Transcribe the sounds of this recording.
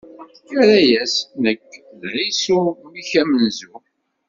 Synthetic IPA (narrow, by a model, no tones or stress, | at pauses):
kːæɾæjæsnəkː | ðʕisumiçæmənzu